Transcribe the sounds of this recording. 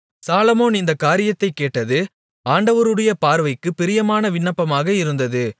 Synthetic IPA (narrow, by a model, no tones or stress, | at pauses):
saːlɐmoːnɪnd̪ɐkaːɾɪjɐt̪ːɐɪkːeːʈːɐðɯ | aːɳɖɐʋɐɾɯɽɐjɐpaːɾʋɐɪkːɯpɪɾɪjɐmaːnɐʋɪɳːɐpːɐmaːɣɐɪɾɯnd̪ɐðɯ